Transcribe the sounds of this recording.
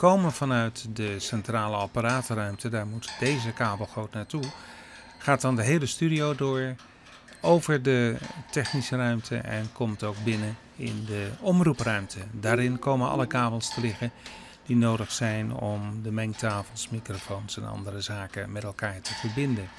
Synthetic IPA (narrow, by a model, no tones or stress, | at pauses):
kowmənv̥ɑnœɥtdəsɛntraːləɑpaɾaːtrœɥmtədaːɹmutdejzəkaːbəl̩ˠχowtnaːɹtu | χaːt̚ɑndəɦejləstydiowdʊːɹ | owvəɹdətɛχnisərœɥmtʰə̰ʔɛ̰nkɔmtowɡ̚bɪnə | ɪ̰ndəɔmruprœɥmtʰədaːɾɪnkowmənɑ̰ləkaːbəlˠstəlɪχən | d̥inowdəχsɛjnɔ̰mdəmɛŋktaːfəl̩ˠsmikrofownsɛ̰nɑ̰ndərəzaːkəmɛtɛlˠkaːɹtəv̥əɹbɪndən